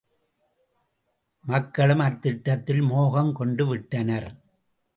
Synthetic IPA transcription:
mɐkːɐɭɯmɐɾt̪ːɪʈːɐt̪ːɪlmoːɣɐmkɔɳɖɯʋɪʈːɐnɐɾ

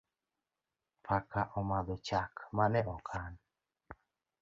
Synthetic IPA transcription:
pʰakaʔɔmad̪ɔt͡ʃakmanɛɔkʰan

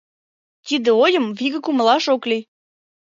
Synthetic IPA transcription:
t̪id̪eojə̆mviɣə̆kuməlɑʃokli

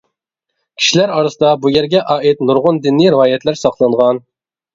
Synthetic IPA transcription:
kʲʰi̥ʃilæɾɑɾɨsɨd̪ɑbujɛɾɡʲɛʔɑːit̪nuɾʁʊnd̪ɪnːiɾɪɑːjɛt̪læɾsɑqlˠɑɴʁɑn

